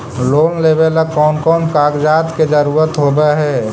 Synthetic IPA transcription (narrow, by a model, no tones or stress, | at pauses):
loːnleːbeləkɔːnkɔːnkaːɡd͡ʒaːt̪ked͡ʒəɾuːɾət̪ɦobeɦɛ